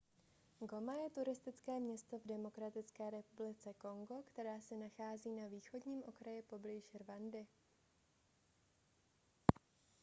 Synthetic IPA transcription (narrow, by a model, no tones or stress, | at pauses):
ɡo̞majɛt̪uɾɪst̪ɪt͡skɛːmɲɛst̪o̞vdɛmo̞kɾat̪ɪt͡skɛːɾɛpublɪt͡sɛko̞ŋɡo̞kt̪ɛɾaːsɛnaxaːziːnaviːxo̞dɲiːmʔo̞kɾajɪpo̞bliʃrvandɪ